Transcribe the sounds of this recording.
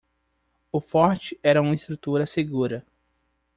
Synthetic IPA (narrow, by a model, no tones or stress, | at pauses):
ʊfɔɾt͡ʃɪɛɾɐũmɐist̪ɾut̪uɾɐseɡuɾɐ